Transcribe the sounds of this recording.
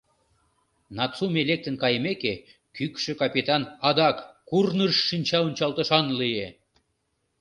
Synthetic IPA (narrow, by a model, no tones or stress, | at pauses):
nɑtt͡sumelek̚t̪ə̆nkɑjmeke | kykʃĕkɑpʲet̪ɑnɑd̪ɑkːurnəʃːinʲt͡ɕɑunʲt͡ɕɑlt̪ə̆ʃɑnlije